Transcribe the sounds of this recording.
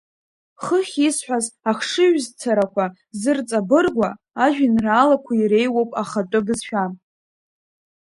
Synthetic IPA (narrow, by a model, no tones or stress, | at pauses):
χəχʲisħʷᶣazaχʂɨɥzt͡sʰaɾakʷʰa | zɨrt͡sʼabɨrɡʷa | aʒᶣɪnraːlakʷʰaiɾe̞jwowpʼaχatʼʊbɨzʃᶣa